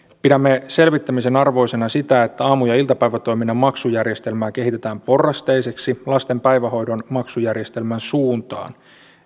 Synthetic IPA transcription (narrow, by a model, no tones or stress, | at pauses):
pidæmːe̞se̞lʋit̪ːæmise̞nɑrʋo̞jse̞nɑsit̪æet̪ːæɑːmujɑilt̪ɑpæjʋæt̪o̞jminːɑmɑksujærje̞st̪e̞lmæːke̞ɦit̪e̞t̪æːmpo̞rːɑst̪ejse̞ksilɑst̪e̞mpæjʋæho̞jdo̞nmɑksujærje̞st̪e̞lmænsuːnt̪ɑ̰ːn